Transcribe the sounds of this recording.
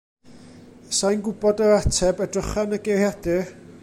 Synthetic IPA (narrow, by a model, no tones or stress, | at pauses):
sajnɡʊbɔdəɾatʰɛbədrəχanəɡerjadɪr